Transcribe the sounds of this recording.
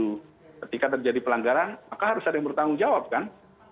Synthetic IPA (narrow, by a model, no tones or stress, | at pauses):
u | kət̪ikat̪̬ərd͡ʒadipəlaŋɡaɾanmakaɦaɾʊsadaŋbəɾt̪aŋuŋd͡ʒawap̚kan